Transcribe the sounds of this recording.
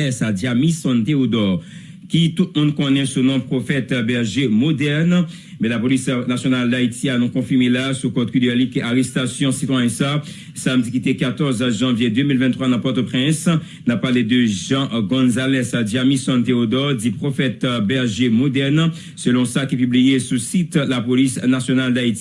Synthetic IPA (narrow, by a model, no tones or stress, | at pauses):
ɛsadjamisɔ̃nt̪eod̪ɔʁ | kit̪ut̪̚mɔ̃d̪kɔ̃nɛsɔ̃nɔ̃pχofɛt̪bɛʁʒemod̪ɛʁn | mɛ̃lapolisnasjonald̪ait̪ʰianɔ̃kɔ̃fiʁmelasukɔt̪kyd̪ɛlikaʁɛst̪asjɔ̃sit̪wajɛ̃sa | samd̪ikʲit̪ɛkat̪ɔʁzʒɑ̃vjed̪ømilvɛ̃t̪ːχwanãpɔʁt̪opχɛ̃s | napaʁled̪əʒɑ̃ɡɔ̃zalɛsad̪iamisɔ̃nt̪eod̪ɔʁd̪ipχofɛt̪bɛʁʒemod̪ɛʁn | səlɔ̃sakipyblijesusit̪lapolisnasjonald̪ait̪i̥